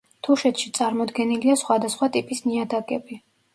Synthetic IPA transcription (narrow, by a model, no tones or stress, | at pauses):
t̪ʰuʃɛt̪ʰʃit̪sʼaɾmɔd̪ɡɛniliasχwad̪asχwat̪ʼipʼisniad̪akʼɛbi